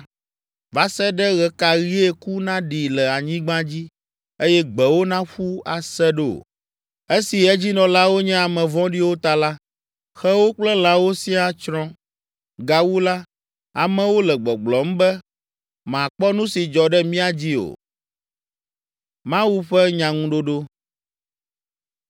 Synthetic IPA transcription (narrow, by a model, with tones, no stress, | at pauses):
va˦sɛ˦ɖɛ˦ɣɛ˨ka˨ɣi˦e˦ku˦nã˦ɖi˨lɛ˨a˨ɲĩ˦ɡ͡bã˦d͡ʑi˦ | e˦jɛ˦ɡ͡bɛ˨wo˦nã˦ɸu˦a˨sɛ˦ɖɛ˦˨o̰˨ | e˦si˨ɛ˦d͡ʑi˦nɔ̃˨la˦wo˦ɲɛ̃˦a˨mɛ̃˨vɔ̃˦ɖi˦wo˦t̪a˦la˦ | xɛ˦wo˦k͡plɛ˦l̃ã˦wo˦si˦a˨t͡ʃɾɔ̃˦ | ɡa˨wu˦la˦ | a˨mɛ̃˨wo˦lɛ˨ɡ͡bɔ˨ɡ͡blɔ˨m̩˦bɛ˦ | mã˨k͡pɔ˦nũ˦si˨d͡ʒɔ˨ɖɛ˦mĩ˦a˦d͡ʑi˦o̰˨ | mã˦wu˦ɸɛ˦ɲã˨ŋũ˦ɖo˦ɖo˦